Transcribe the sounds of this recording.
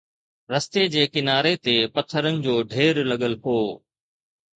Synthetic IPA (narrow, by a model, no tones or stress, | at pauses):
ɾɐst̪ed͡ʑeːkɪnaːɾet̪epɐt̪ʰːəɾənɪ̆d͡ʑoːɖʱeːɾlɐɠəlpoː